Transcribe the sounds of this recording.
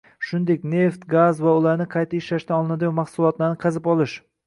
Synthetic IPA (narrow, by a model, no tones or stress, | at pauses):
ʃʊnd̪ekʲne̞ft̪ɡazvaʊlaɾnɪqʰɑjt̪ʰaɪʃlaʃt̪aɒlˠɪnad̪ɪjmɑχsʊlˠɒt̪laɾnɪqʰɑzɪpɒlɪʃ